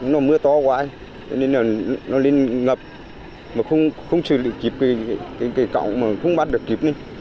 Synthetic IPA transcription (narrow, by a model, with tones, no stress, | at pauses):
nɔ˨˦mɨ˧ət̪ɔ˧˦kwaː˧˦˧ | t͡ɕɔ̰˧˦ne˧nlaː˨˩˨nɔ˨˦le˧nŋə˨˩p̚ | maː˨˩xə˧wŋ͡mxə˧wŋ͡mt͡ɕɨ˨˩lḭ˧˨ki˨˩p̚kə˨˦jkaː˨˦jkaː˨˦jka̰˧˨wŋ͡mmaː˨˩xə˧wŋ͡mɓaː˧˥t̚ɗɨ˨˩əkːi˨˩p̚ni˧˦